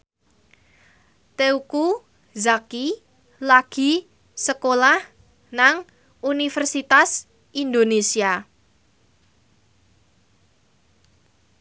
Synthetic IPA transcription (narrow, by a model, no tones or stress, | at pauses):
t̪euku | zaki | laɡ̥i̤ | səkolah | naŋ | unifərsit̪as | ʔind̪onesia